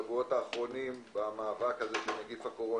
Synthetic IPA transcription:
vuo̞taːχʁo̞nimbamaːvakhaze̞ʃeneɡifakoʁo̞

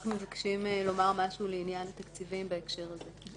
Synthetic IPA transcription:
χumevakʃimlo̞maʁmaʃuuːleinjanat̪akt͡sivimbaekʃe̞ʁaze

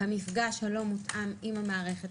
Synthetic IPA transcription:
amifɡaʃhalo̞mutʔamimhamaːʁeχet

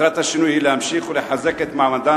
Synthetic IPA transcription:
ɾɑt̪aʃɪnuhiːlamʃiːxwlɪħazːakat̪maʕmand̪aː

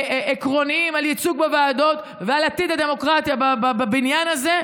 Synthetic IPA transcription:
ʔekʁo̞niimaljit͡suɡbevaːd̪o̞t̪ | vealat̪id̪ad̪e̞mo̞kʁat̪jababababinjanaze̞

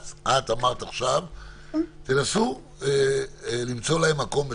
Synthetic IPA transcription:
t͡sʔat̪amaʁt̪aaχʃav | t̪enasu | elimt͡so̞laemːako̞mbe

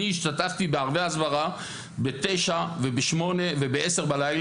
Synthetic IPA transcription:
iːʃt̪at̪aft̪ibeaʁveazvaʁa | bet̪ejʃave̞beʃmo̞ne̞vebeʔese̞ʁbalajl

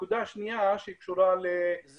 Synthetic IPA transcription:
kud̪aʃnijaʃeikʃuɾalez

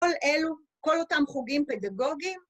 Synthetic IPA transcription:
olʔelu | kolotamχuɡimpedaɡo̞ɡim

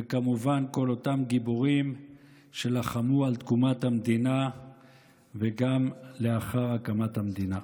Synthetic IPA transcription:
vekamuvanko̞lo̞t̪amɡiboʁim | ʃelaχamualt̪kumat̪hamd̪ina | veɡamleaχaʁakamat̪hamd̪ina

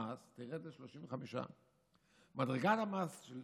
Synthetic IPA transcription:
ast̪iʁetleʃloʃiɱveχamiʃa̰ | madʁeɡatamasʃel

